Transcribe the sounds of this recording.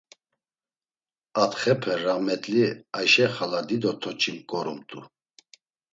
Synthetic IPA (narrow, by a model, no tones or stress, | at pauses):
at̪χɛpʰɛɾamɛt̪ʼliajʃɛχalad̪id̪ɔt̪ʰɔt͡ʃʰimkʼɔɾumt̪ʼṵ